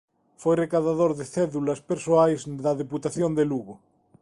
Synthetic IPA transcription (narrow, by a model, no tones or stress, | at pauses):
fejrekaðaðoɾðeθeðulaspeɾsoajzðaðeput̪aθjond̪eluɣo